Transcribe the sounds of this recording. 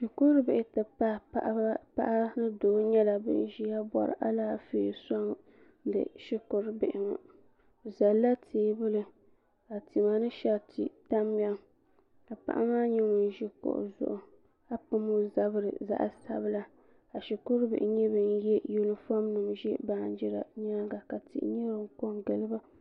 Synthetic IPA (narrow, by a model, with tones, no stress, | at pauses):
ʃi˨kʊ˦ɾɨ˦bɪ˨ʔɪ˨tɨ˨pa˦a˦ʔba˦pa̰˦ʔa˦nɨ˦doː˨˦ɲɛ˦la˨bɨ̰˦n˦ʒi˦a˦bɔ̰˨ɾɨ̰˨ʔa̰˦laː˦fiː˦˨sɔ˦ŋ | dɨ̰˨ʃi˦kʊ˦ɾbɪ˨ʔɪ˨ŋa̰˨ | za˨lːa˦tʰeː˨˦bʊ˦lɨ˦ | ka˨ti˨ma˨nɨ˦ʃɛ˦ltḭ˦ta˦m˦a˦ŋ | ka˨pa̰˨ʔa̰˦maː˦ɲɛ˦ŋʊ˨n˦ʒi˦kʊ̰˨ʔʊ̰˨zʊ̰˦ʔʊ˨ | a˦pɨ˦mo˦za˦bɨ˦ɾɨ̰˨za̰˨ʔsa̰˦bla˦ | a˨ʃɪ˨kʊ˦ɾbɪ̰˨ʔɪ˨ɲɛ˦bɨ˨njɛ˦ju˦lɨ˦fa˦mnɨ˨mʒɛ˦baː˨n˦d͡ʒɪ˦ɾa̰˨ɲa˦ɡa˨ka˨tʰḭ˨ʔɲɛ˦bɨ˨ŋ˦ko˦ŋɡɨ˨lɨ˦ba˦